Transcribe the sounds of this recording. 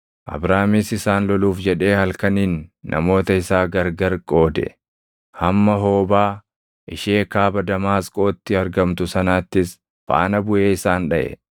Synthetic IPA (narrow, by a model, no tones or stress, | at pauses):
ʔɐ̰bɾaːmisɪsaːnlɔluːfd͡ʒɛᶑe̞ːhɐlkɐniːnːɐ̰mo̞ːt̪ɐɪsaːɡɐɾɡɐɾkʼo̞ːd̪ɛ̰ | hɐmːɐɦo̞ːbaː | ʔɪʃeːkaːbɐd̪ɐmaːskʼo̞ːt̪ːɪɐɾɡɐmt̪ʊsɐnaːt̪ːɪs | fa̰ːnɐbʊʔe̞ːɪsaːnᶑɐʔɛ̰